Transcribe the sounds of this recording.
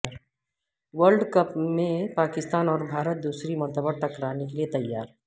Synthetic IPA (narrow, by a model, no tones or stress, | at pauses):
ʋəɾɖkɐpmẽpaːkɪst̪aːnɔːɾbʱaːɾət̪̚d̪uːsɾimɐ̃nt̪əbəɾʈɐkɾaːnekeliet̪ɐjːaːɾ